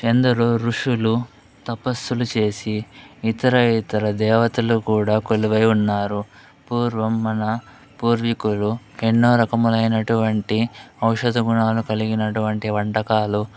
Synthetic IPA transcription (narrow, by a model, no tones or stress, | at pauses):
end̪ɐɾoːɾuʂulu | t̪ɐpɐst̪ulut͡ʃe̞ːsiːt̪ɐɾɐit̪ɐɾɐd̪ɛːʋɐt̪ulukuːɽaːkoluʋɐjunːaːɾu | puːɾʋɐmːɐnɐ | puːɾʋikulu | enːoːɾɐkɐmulɐjnɐʈuʋɐɳʈiɐwʂɐd̪ɐɡuɳaːlukɐliɡinɐʈuʋɐɳʈiʋɐɳʈɐkaːlu